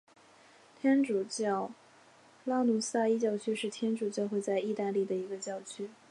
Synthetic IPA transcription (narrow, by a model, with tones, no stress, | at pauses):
t̪ʰjɛ˥nʈ͡ʂu˨˩t͡ɕjɑ˥˩ʊ | la˥nu˧˥sa˥˧i˥t͡ɕjɑ˥˧ʊt͡ɕʰy˥ʂɻ̩˥˩t̪ʰjɛ˥nʈ͡ʂu˨˩t͡ɕjɑ˥˧ʊxwe˥˧ɪt͡sa˥˧ɪi˥˧t̪a˥˧li˥˩d̪ə˩i˧˥ɡə˧t͡ɕjɑ˥˩ʊt͡ɕʰy˥